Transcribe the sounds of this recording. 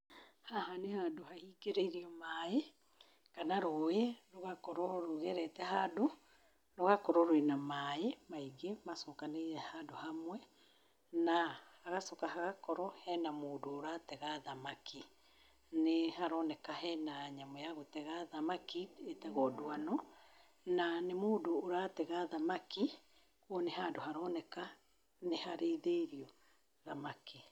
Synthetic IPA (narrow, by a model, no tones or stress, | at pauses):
haɦanehadohahiːɡeɾeiɾiɔmae | kanaɾoːeɾoɣakɔɾɔɾoɣeɾɛtɛɦado | noɣakɔɾɔɾwenamaemaiɡemasɔkaneɾɛhadohamwɛ | nahaɣasɔkahaɣakɔɾɔhɛnamoːdoːɾatɛɣaðamakʰi | nehaɾɔnɛkahɛnaɲamɔjaɣotɛɣaðamakietɛɣɔdoanɔ | nanemoːdoːɾatɛɣaðamaki | kwɔneɦadohaɾɔːnɛka | nehaɾeiðeɾiɔ | ðamaki